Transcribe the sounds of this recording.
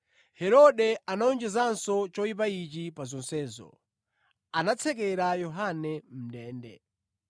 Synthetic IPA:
hɛɾɔɗɛanaɔnd͡ʒɛzansɔt͡ʃɔip̬ait͡ʃipazɔnsɛːzɔ̰ | anat͡sʰɛkɛɾajɔɦanɛm̩dɛːndɛ̰

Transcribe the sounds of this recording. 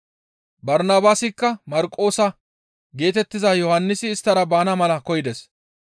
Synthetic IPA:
bɐɾnaːbaːsɪkːɐmɐɾkʼːo̞ːsɐ | ɡe̞ːt̪ɛt̪ːɪzɐjɔhɐnːɪsɪːst̪ːɐɾɐbaːnɐmɐlɐkɔjɪd̪ɛs

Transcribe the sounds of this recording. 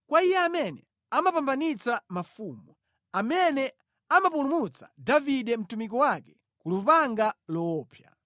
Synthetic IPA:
kwaijɛamɛnɛ | amapambanit͡samafuːmu | amɛnɛ | amap̬ulumut͡sḁ̰daviɗɛm̩tumik̬ɔwakɛ̥ | kulupaŋɡalɔːpʰja

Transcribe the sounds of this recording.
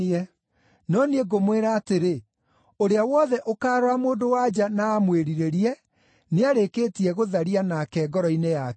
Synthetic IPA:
ɛ | nɔnieɡomweɾaːteɾe | oɾeawɔðɛʔokaːɾwamoːndowad͡ʑanaːmweɾiɾeɾiɛ | neaɾekeːtiɛɣoðaɾianakɛːɡɔɾɔinejak

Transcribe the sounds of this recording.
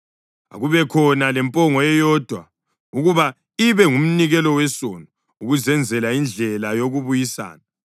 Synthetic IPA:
a̰ɣuβɛkʰɔnalɛmpʼɔŋɔɛjɔːd̥ʱwa | uɣuβa | iβɛŋum̩niɣɛlɔwɛsɔnɔ | uɣuzɛnd͡zʱɛlaind͡ɮʱɛlajoɣuβujisa̰ːna

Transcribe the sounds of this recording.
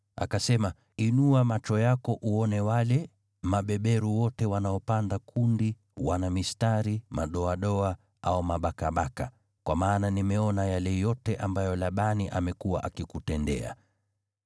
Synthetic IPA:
a̰kasɛma | inuamat͡ʃɔjakɔʔuɔnɛwalɛ | maɓɛɓɛɾuwɔtɛwanaɔpandakʰundi | wanamistaɾimaɗɔaɗɔa | aumaɓakaɓaka̰ | kwamaːnanimɛɔnajalɛjɔtɛʔambajɔlaɓaniʔamɛkuwa̰ʔakikutɛndɛ̰a̰

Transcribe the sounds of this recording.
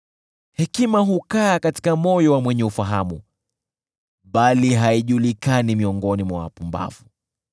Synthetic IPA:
hɛkimaɦukaːkati̥kamɔjɔwamwɛɲɛufaɦamu | ɓaliɦaiʄulikanimiɔŋɡɔnimwawa̰pumba̰vu

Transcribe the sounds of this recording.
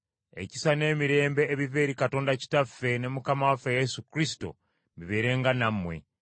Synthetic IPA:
e̞̰ci̥sane̞ːmiɾe̞ːmbe̞ːβive̞ːɾikato̞ːndaci̥tafːe̞ne̞mukamawafejesukɾis̬i̥to̞̰ | miβe̞ːɾe̞ːŋɡanamːwe̞̰

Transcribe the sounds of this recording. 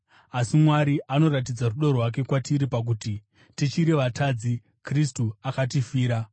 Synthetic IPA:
asimwaɾiʔano̞ratid͡zaruɗorɦwak̬e̞kwatiɾipak̬uti | tit͡ʃiɾeʋatʰad͡zi | kristuakat̬ifiːɾa

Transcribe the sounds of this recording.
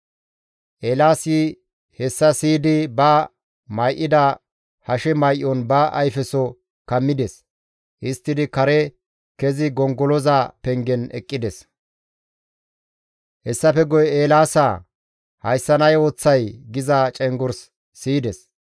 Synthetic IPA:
ʔeːlaːsɪ | hɛsːɐsiːd̪ɪbɐ | mɐjʔɪd̪ɐ | hɐʃɛmɐjʔɔnbɐʔɐ̰jfɛsɔ | kɐmːɪd̪ɛs | ʔɪst̪ːɪd̪ɪkɐɾɛ | kɛzɪɡɔŋɡɔlɔzapɛŋɡɛnɛ̰kʼːɪd̪ɛs | hɛsːɐpɛɡɔjɛeːlaːsa | hɐjsːɐnɐjoːt͡sːɐjɡɪzat͡ʃʼɛŋɡɔɾsː | iːd̪ɛs

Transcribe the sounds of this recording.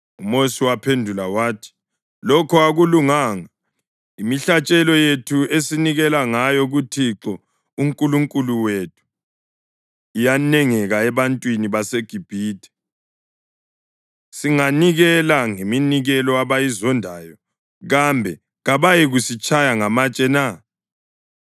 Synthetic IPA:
umosiwapʰendʱulawaːtʰi̥ | lɔkʰɔaɣuluŋaːŋa | imiɬat͡ʃʼɛlɔjetʰuesiniɣɛlaŋajɔɣutʰiǁɔ | uŋkʼuluŋkʼuluwetʰu̥ | ijanɛŋɛɣaɛβantʼwiniβaseɡ̥ʱib̥ʱiːtʰʼɛ̥ | siŋaniɣɛlaŋeminiɣɛlɔaβajizɔndʱaːjɔ | ɣambʱɛ | ɣaβajɛɣusit͡ʃʼajaŋamat͡ʃʼɛna

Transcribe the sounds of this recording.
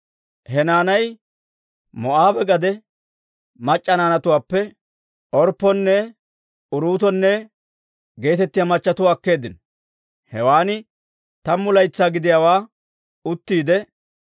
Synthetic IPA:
hɛnaːnɐj | mɔʔaːbɛɡɐd̪ɛ | mɐt͡ʃʼːɐnaːnɐt̪ʊwaːpːɛ | ʔɔɾpːɔnːɛ | ʊɾuːt̪ɔnːɛ | ɡe̞ːt̪ɛt̪ːɪjamɐt͡ʃːɐt̪ʊwːkːe̞ːd̪ɪnɔ | hɛwaːnɪ | t̪ɐmːʊlɐjt͡sːaːɡɪd̪ɪjaːwaː | ʊt̪ːiːd̪ɛ

